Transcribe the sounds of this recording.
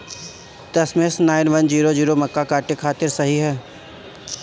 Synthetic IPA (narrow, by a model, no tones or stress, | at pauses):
d̪ɐsmẽsnaːɪnʋɐnd͡ʒiːɾod͡ʒiːɾomɐkːakaːʈekʰaːt̪ɪɾsɐɦiɦɛː